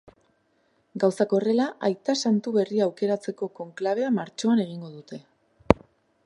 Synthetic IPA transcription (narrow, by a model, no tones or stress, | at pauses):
ɡawsako̞re̞laʔajt̪asant̪uβe̞riaːwke̞ɾat͡se̞ko̞ko̞ŋklaβ̞e̞amaɾt͡ʃo̞ane̞ɣ̞iŋɡo̞ðut̪e̞